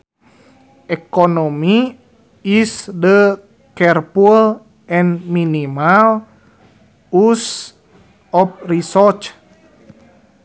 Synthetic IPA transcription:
ʔɛkonomi | isdə | kɛrpul | ɛnminimal | us | ɔp̚risɔrt͡ʃ

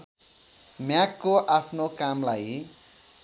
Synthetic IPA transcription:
mjakːoʔapʰnokamlaj

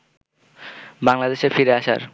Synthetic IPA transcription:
baŋlad̪eʃefiɾeaʃa̰ɾ

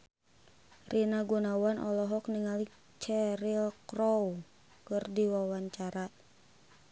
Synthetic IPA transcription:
rʔinaɡunawanʔɔlɔɦɔk̚niŋali | t͡ʃɛɾilkɾɔw | kɨrdiwawaɲt͡ʃaɾa

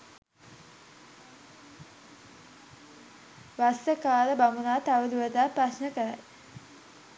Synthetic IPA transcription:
ʋast̪əkaːləbamunaːt̪aʋəd̪uʋəd̪aːprasnəkəɾa̰j

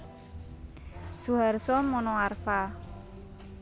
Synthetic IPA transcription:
suɦarsɔmɔnɔarfa

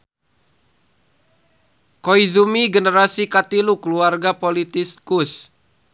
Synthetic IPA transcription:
koizumiɡənəɾasikat̪ilukluarɡapolit̪iskus

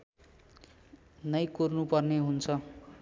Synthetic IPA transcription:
nʌjkurnupʌrneɦunt͡sʰʌ

